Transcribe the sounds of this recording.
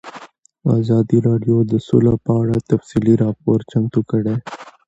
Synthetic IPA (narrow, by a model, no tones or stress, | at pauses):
aːzɑːd̪iɾɑɖjod̪əsṵlapəaɽat̪ɐfsiliɾɑːpoːɾt͡ʃɐmt̪ukəɽe